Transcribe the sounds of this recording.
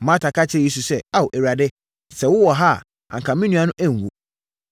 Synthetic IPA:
mã˦tʰa˨kʰa˦t͡ɕʰɪ˦˨i˦su˨sɛ˦a˦wo˨ʔɛ˨ɥa˨dɪ˦ | sɛ˨wʊ˦wɔ˨ɦa˦˨ | a̰˨ŋ˨kʰã˨mĩ˦nũ˦a˨nʊ̃˦ʔæ˦ŋ˨wo˨

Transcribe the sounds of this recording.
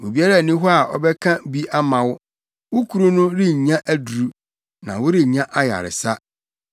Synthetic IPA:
wu˨bi˦a˦ɾa˦˨nĩ˦ɦɔ˦a˨ʔɔ̰˦bɛ˦kʰã˦bi˦ʔa˦mã˨wʊ˦ | wʊ˦kʰu˨ɾu˦nʊ̃˦ɾi˦˨ɲã˦ʔæ˦du˨ɾu˦ | nã̰˨wʊ˦ɾi˦˨ɲã˦ʔa˦ja̰˨ɾɪ̰˨sa˦

